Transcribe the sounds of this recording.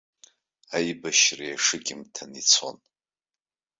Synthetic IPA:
ajbaʃrajaʂɨɡʲɪmtʰanit͡sʰo̰n

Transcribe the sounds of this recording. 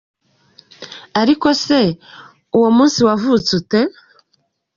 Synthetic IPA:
aɾiko̞se̞ | uwomuːnsiwavut͡sute̞

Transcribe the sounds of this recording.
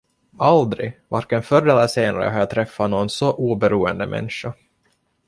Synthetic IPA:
ald̪ɾɪvaɾkɛnfœɾɛlːəseːna̰ɾə̰ɦaɾjat̪ʰɾɛfːanoːnsɔʔuːbɛɾuːənd̪əmʔɛ̰nʂa

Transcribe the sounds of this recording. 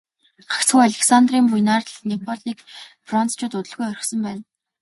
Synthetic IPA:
ɢ̥ḁkt͡sxujaɮʲeksant̪riːmpujnaːrt̪̆ɮnepʰɔɮiːkfrɔnt͡st͡ɕʰʊːt̪ʊt̪ə̆ɮɣujœɾʲɪ̆xsə̆mpæːn

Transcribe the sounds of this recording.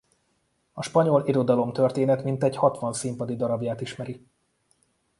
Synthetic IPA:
ɒʃpɒɲo̞liɾo̞d̪ɒlomt̪ø̞rt̪eːnɛt̪mint̪ɛɟhɒt̪ʋɒnsimpɒd̪id̪ɒɾɒbjaːt̪iʃmɛɾi

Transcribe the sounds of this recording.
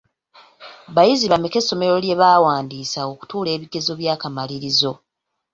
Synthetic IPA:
βajiziβamike̞sːo̞me̞ɾo̞lje̞βaːwaːndiːsaoku̥tuːle̞ːβiɡe̞zo̞βjaːkamaliɾizo̞

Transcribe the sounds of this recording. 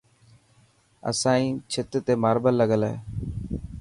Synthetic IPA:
ə̰sãːĩːt͡ʃʰɪt̪t̪eːmaːɾbəlːəɡəlɦḛː

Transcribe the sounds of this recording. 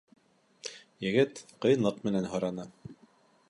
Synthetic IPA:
jɘ̆ɡɘt̪qɤ̆jɤnlˠɤqmɘ̆nænɦɤ̆ɾɑnɤ

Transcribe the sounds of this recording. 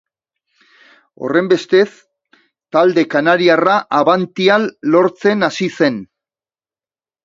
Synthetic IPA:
o̞̰re̞mbe̞st̪e̞s | t̪ald̪e̞kanaɾiaraʔaβant̪ialːo̞ɾt͡se̞nasise̞n

